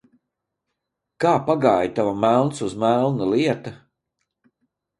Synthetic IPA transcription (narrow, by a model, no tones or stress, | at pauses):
kaːpaɡaːjt̪avamælˠnsuzmælˠnaliɛt̪ɐ